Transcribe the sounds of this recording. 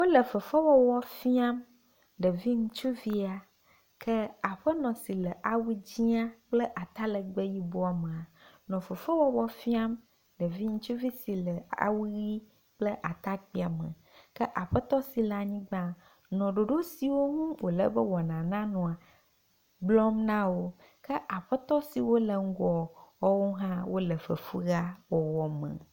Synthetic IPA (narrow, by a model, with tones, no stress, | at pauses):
wo˦lə˨fə˨fɛ˦wɔ˦wɔ˦fi˦a˦m | ɖə˨vi˦ŋũ˦t͡ʃu˦vi˦a˨ | kʰɛ˦a˨ɸə˦nɔ̃˨si˨lə˨ʔa˨wu˦d͡ʑi˦a˦k͡plə˦ʔa˨t̪a˦lə˨ɡ͡be˦ji˦bo˦a˨mẽ˨a˨nɔ̃˨fə˨fɛ˦wɔ˦wɔ˦fi˦a˦m | ɖə˨vi˦ŋũ˦t͡ʃu˦vi˦si˨lə˨a̰˨wu˦ɣi˦ | k͡plə˦ʔa˨t̪a˦k͡pi˦a˨mə̰̃˨ | kə˦ʔa˨ɸə˦t̪ɔ˦si˨la˨ɲĩ˦ɡ͡bã˦ | nɔ̃˨ɖo˨ɖo˦si˨wo˦ŋũ˦wo˨lə̰˦bə˦wɔ˨nã˨nã˦nɔ̃˨a˨ | ɡ͡blɔ˦mnã˦wo˦ | kə˦ʔa˨ɸɛ˦t̪ɔ˦si˨wo˦lə˨ŋ̩˦ɡɔ˨wɔ˦wo˦ɦã˦wo˦lə˨fə̰˨fu˦ɣa˦wɔ˨wɔ˦mə̰̃˨